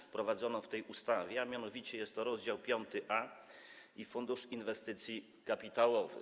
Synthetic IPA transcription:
fpɾɔvad̪zɔnɔft̪ɛjust̪avʲjɛamʲjanɔvʲit͡ɕɛjɛst̪ːɔɾɔzd͡ʑawpʲjɔnt̪ɘʔa | ifund̪uʂinvɛst̪ɘt̪sʲji | kapʲit̪awɔvɘ̰

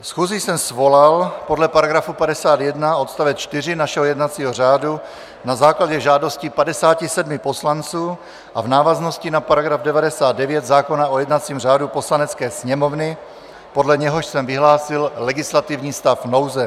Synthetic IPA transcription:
fsxuːzisɛmsvo̞lalpo̞dlɛpaɾaɡɾafupadɛsaːt̪jɛdnao̞t̪st̪avɛt͡ʃt̪ɪr̝ɪnaʃɛɦojɛdnat͡siːɦo̞r̝aːdu | nazaːklaɟɛʒaːdo̞scɪpadɛsaːcɪsɛdmɪpo̞slant͡suː | ʔavnaːvazno̞scɪnapaɾaɡɾavdɛvadɛsaːd̪̚dɛvjɛt̪zaːko̞naʔojɛdnat͡siːmraːdupo̞slanɛt͡skɛːsɲɛmo̞vnɪ | po̞dlɛɲɛɦoʃsɛmvɪɦlaːsɪllɛɡɪslat̪ɪvɲiːst̪afno̞wzɛ

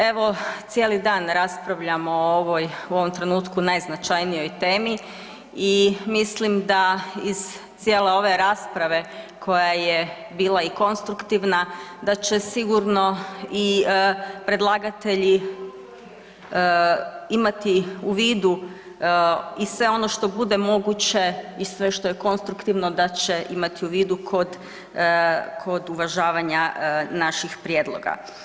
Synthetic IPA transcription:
e̞ʋo̞t̪sje̞ːlid̪aːnɾaspɾaʋʎamooʋojuo̞ʋomt̪ɾe̞nuːt̪kunajznat͡ʃajnijo̞jt̪e̞ːmi | imislimd̪aiz̥ | t̪sjeːle̞o̞ʋe̞ɾaːspɾaʋe̞ | kʰo̞jaje | biːlˠaiko̞nst̪ɾukt̪iʋnad̪at͡ɕe̞siɡuɾno̞i | pɾe̞d̪lˠaːɡat̪e̞ʎi | imat̪iuʋiːd̪u | isʋe̞o̞no̞ʃt̪o̞bud̪e̞mo̞ɡut͡ɕe̞isʋe̞ʃt̪o̞jeko̞nst̪ɾukt̪iʋno̞d̪at͡ɕe̞ʔimat̪iuʋiːd̪ukʰo̞d̪ | kʰo̞d̪uʋaʒaːʋaɲanaʃixpɾjeːd̪lˠo̞̰ɡa̰

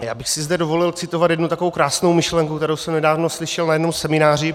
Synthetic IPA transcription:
jaːbɪxsɪzdɛdovo̞lɪlt͡sɪt̪ovat̪jɛdnut̪akovowkɾaːsnowmɪʃlɛŋkukt̪ɛɾowsɛmnɛdaːvnoslɪʃɛlnajɛdnomsɛmɪnaːrɪ

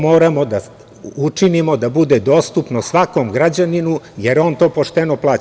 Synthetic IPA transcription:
mo̞ːɾamo̞d̪a | ut͡ʂinimo̞d̪abud̪ed̪o̞ːst̪upnosʋako̞mɡɾad͡ʑaninujeɾo̞nt̪o̞ːpo̞ʃt̪enoplˠaː

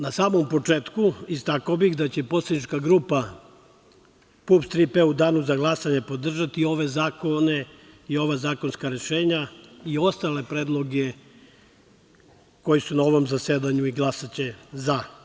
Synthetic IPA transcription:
nasaːmo̞mpo̞t͡ʂeːt̪kuist̪akaobixd̪at͡ɕe̞po̞tsled̪it͡ʃkaɡɾuːpa | pupst̪ɾipeud̪aːnuzaɡlˠasaɲe̞po̞d̪r̩ʒat̪io̞ʋe̞zaːkone̞io̞ʋazaːkonskaɾe̞ʃeːɲaio̞st̪ale̞pɾeːd̪lˠo̞ɡe | ko̞jisunao̞ʋo̞mzased̪aɲuiɡlˠasat͡ɕe̞za

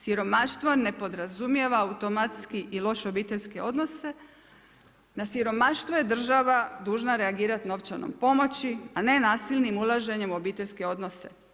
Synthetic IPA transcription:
siɾo̞maʃt̪ʋone̞po̞d̪ɾazumje̞ʋaːut̪o̞mat̪skiʔilˠo̞ʃo̞biːt̪eʎʲske̞o̞d̪no̞se̞ | nasiɾo̞maʃt̪ʋoje̞d̪r̩ʒaʋad̪uːʒnaɾe̞aɡiːɾat̪no̞ʋt͡ʃano̰mpo̞mo̞t͡ɕiane̞naːsilnimulˠaʒe̞ɲe̞mo̞biːt̪eʎʲske̞o̞d̪no̞se̞̰

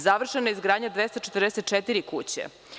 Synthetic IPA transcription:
zaʋr̩ʃenoizɡɾaːd̪ɲad̪ʋest̪ot͡ʃet̪ɾd̪eset̪̚t͡ʃet̪iɾikut͡ɕḛ

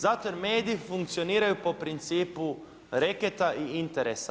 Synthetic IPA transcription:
zat̪ojeɾmeːd̪iːfuŋk̚t̪sio̞niːɾajupo̞pɾint̪siːpu | ɾeket̪aʔiint̪eɾesa

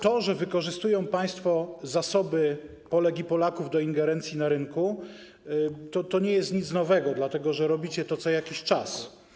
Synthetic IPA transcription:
t̪ɔʐɛvɘkɔʐɘst̪ujɔ̃w̃paj̃st̪fɔzasɔbɘ | pɔlɛkʲipɔlakuvd̪ɔiŋɡɛɾɛnt̪sʲjinaɾɘŋku | t̪ɔt̪ɔɲɛjɛst̪ɲit̪snɔvɛɡɔd̪lat̪ɛɡɔʐɛɾɔbʲit͡ɕɛt̪ɔt̪sɔjakʲiɕt͡ʂas

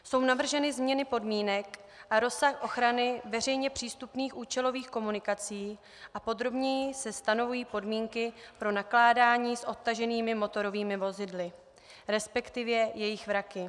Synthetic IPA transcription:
so̞wnavr̩ʒɛnɪzmɲɛnɪpo̞dmiːnɛk | ʔaɾo̞saxʔo̞xɾanɪvɛr̝ɛjɲɛpr̝̥iːst̪upniːxʔuːt͡ʃɛlo̞viːxko̞munɪkat͡siː | ʔapo̞d̪ɾo̞bɲɛjɪsɛst̪ano̞vujiːpo̞dmiːŋkɪpɾo̞naklaːdaːɲiːsʔo̞p̚t̪aʒɛniːmɪmo̞t̪o̞ɾo̞viːmɪvo̞zɪdlɪ | ɾɛspɛkt̪ɪvjɛjɛjɪxvɾakɪ

